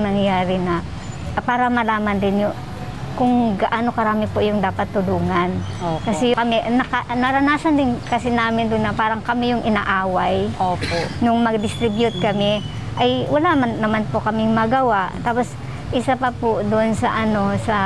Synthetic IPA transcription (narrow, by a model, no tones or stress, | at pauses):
nɐŋjaːɾɪnɐ | paːɾɐmɐlaːmɐnd̪ɪnjʊ | kʊŋɡɐʔanokɐɾaːmɪpojʊŋd̪aːpɐt̪ːʊluːŋɐnokɐsɛkɐmɛnɐkɐnɐɾɐnaːsɐnd̪ɪnkɐsɪnaːmɪnd̪ʊnːɐpaːɾɐŋkɐmɪjʊŋɪnaːʔaːwajoonʊŋmɐɡ̚d̪ɪst̪ɾɪbjʊt̪̚kɐmɪ | ʔɐjwɐlamanːɐmanpokɐmɪŋmɐɡɐwaʔt̪aːpo̞s | ʔɪsapɐpʊd̪oʔnsɐʔɐno̞sɐ